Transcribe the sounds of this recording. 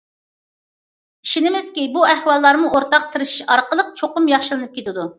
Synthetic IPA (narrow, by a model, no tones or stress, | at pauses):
ʃinɪmɪz̥kʲibuæhwɑlˠːɑɾmuʔoɾt̪ɑq̚t̪ʰɨɾɪʃʃɑɾqəlˠəq̚t͡ʃʰoqʊmjɑχʃɨlˠɨnɨp̚kʲʰet̪ɪd̪u